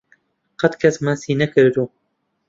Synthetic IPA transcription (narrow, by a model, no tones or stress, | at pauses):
qɐt̪kʰɐsmasiːnɐkɨɾd̪u